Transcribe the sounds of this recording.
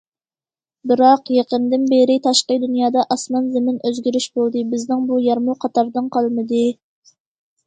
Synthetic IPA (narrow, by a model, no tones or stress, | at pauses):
bɪɾɑqjeqənd̪ɪnbeɾɪt̪ʰɑʃqəd̪unjɑːd̪ɑʔɑsmɑnzɪmɪnøzɡʲyɾyʃbolˠd̪ɨbɪznɪŋbujɑɾmuqʰɑt̪ʰɑɾd̪ɨnqɑlˠmɨd̪ɨ